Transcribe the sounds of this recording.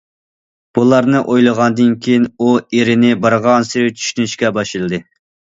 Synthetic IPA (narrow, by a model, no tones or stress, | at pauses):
b̥ulˠɑɾnɨʔojlˠəʁɑnd̪ɨnkʲʰijinueɾɪnɪbɑɾʁɑnsɪɾɪt͡ʃʰy̥ʃynyʃkʲɛbɑʃɨlˠɨd̪ɨ